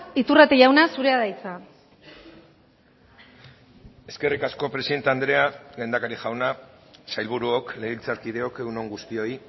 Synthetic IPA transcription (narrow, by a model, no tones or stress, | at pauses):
it̪urat̪eʝawnasuɾe̞aðajt͡sa | e̞ske̞rikasko̞pɾe̞siðe̞nt̪eand̪ɾe̞aɡɣend̪akaɾiʝawnasajlβuɾuo̞kle̞ɣilt͡saɾkið̞e̞o̞kewno̞ŋɡust̪io̞i